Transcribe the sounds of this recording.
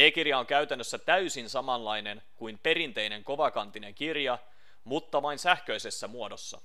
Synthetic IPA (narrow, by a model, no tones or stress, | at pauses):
eːkirjɑoŋkæyɥt̪ænːøsːæt̪æysinsɑmɑnlɑjne̞n | kuimpe̞rint̪e̞jne̞ŋko̞ʋɑkɑnt̪ine̞ŋkirjɑ | mut̪ːɑʋɑinsæhkø̞ise̞sːæmuo̞do̞sːɑ̰